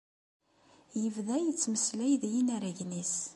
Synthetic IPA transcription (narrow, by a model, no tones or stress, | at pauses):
jəvðæjət͡sːməslæjðjinæɾæʝnis